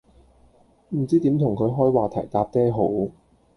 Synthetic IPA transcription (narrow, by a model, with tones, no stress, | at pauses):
m̩˨˩t͡siː˥t̪i˨˥mt̪ʰʊ˨˩ŋkʰɵ˨˧ɥjɦɔː˥jwaː˨t̪ʰɐ̰˨˩jt̪aː˧p̚t̪ɛː˥ɦo˨˥w